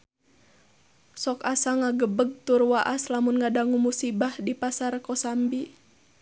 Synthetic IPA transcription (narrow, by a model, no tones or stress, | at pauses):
sɔkasaŋaɡəbəɡ̚t̪urwaʔaslamunŋadaŋumusibahdipasarkɔsambi